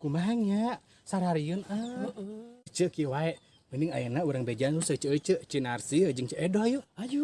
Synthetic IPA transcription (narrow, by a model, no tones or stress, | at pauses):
kumaɦaɲaʔ | saɾaɾiənə | t͡ʃəkiwaɛʔ | məniŋa̰jənauɾaŋbed͡ʒanɾusət͡ʃəʔət͡ʃəʔt͡ʃinarsiəd͡ʒɨŋt͡ʃəʔedɔjuad͡ʒu